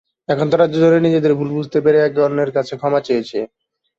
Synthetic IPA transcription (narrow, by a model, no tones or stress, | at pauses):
ɛkʰont̪ɔɾad͡ʑːod͡ʑoɾenid͡ʑed̪eɾbʱulbud͡ʑʱt̪epeɾeɛk̚ɡɔɾoneɾkat͡ɕʰekʰɔmat͡ɕejet͡ɕʰe